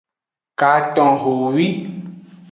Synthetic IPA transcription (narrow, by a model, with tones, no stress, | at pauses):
ka˨tɔ̃˨ɦo˨wi˦